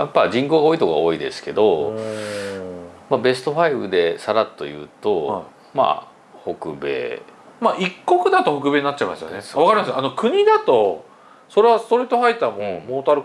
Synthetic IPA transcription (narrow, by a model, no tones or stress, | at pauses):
japːad͡ʑĩŋko̞ːɡaoːit̪o̞koaoːid̪e̞sɨ̥ke̞d̪o̞ | mabe̞sɨ̥t̪o̞ɸaibɯd̪e̞saɾat̪ːo̞jɯ̟̰ːt̪o̞ | ma̰ | ho̞kɯ̟be̞̰ːmaʔikːokɯ̟d̪at̪o̞hokɯ̟be̞ɲinatt͡ɕːaimaso̰neβakaɾʲimasɨano̞kɯ̟ɲ̟id̪at̪o̞ | so̞ɾe̞βasɨ̥t̪o̞ɾiːt̪ːoɦait̪ːamõmoːt̪aɾɯ